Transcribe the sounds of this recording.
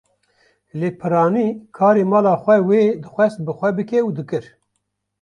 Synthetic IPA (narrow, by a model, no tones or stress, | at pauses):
leːpʰɨɾɑːniːkʰɑːɾeːmɑːlɑːxʷɛweːd̪ɨxʷɛst̪̚bɨxʷɛbɨkɛud̪ɨkɨɾ